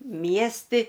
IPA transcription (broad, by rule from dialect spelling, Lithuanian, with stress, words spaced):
ˈmʲiɛsʲtʲɪ